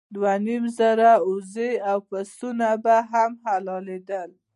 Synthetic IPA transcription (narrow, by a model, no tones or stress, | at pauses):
d̪wanimzaɾauzeawpast̪unabaɦamɦalɑled̪əl